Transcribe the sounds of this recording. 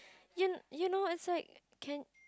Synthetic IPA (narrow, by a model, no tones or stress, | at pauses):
jɨnjunoɪtslaɪk̚ʰː | ɛ̃n